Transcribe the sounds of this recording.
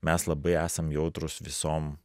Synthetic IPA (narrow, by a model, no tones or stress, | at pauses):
mʲæslˠɐbɐɪæːsɐmjɛʊt̪ɾʊsʋʲɪsoːm